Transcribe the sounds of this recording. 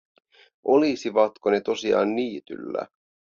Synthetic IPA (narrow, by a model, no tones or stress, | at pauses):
ʔolisiʋɑt̪ko̞ne̞t̪o̞siɑ̰ːnːiːt̪y̰lːæ̰